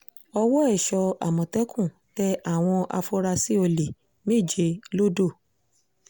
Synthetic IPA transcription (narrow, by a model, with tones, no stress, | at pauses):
ɔ˧wɔ˦ɛ˦˨ʃɔ˧a̰˨mɔ̃˨tɛ˨˦kʰũ˦˨ | tɛ˧a˦˨w̃ɔ̃˧ʔa̰˧fo˦ɾa˧si˦o˧le˨ | me˦˨d͡ʒe˧lo˦do˦˨